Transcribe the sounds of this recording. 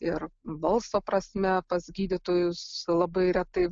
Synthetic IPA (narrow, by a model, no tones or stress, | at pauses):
ɪrʋɐlˠsoːpɾɐsʲmʲɛpɐsɡʲiːd̪ʲɪt̪oːjʊslˠɐbɐɪɾʲɛt̪ɐɪ